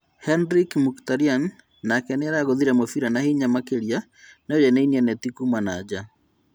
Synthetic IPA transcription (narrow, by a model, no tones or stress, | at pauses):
hɛndɾikmuktaɾianː | akɛneɾaɣoðiɾɛmofiɾanahiɲamakeɾia | nojɛneinianɛtikumanaːd͡ʑa